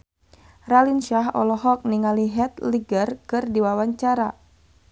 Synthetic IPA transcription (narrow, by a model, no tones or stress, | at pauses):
ralinʃaɦɔ̰lɔɦɔk̚niŋaliɦɛt̪liɡərkɨrdiwawaɲt͡ʃaɾa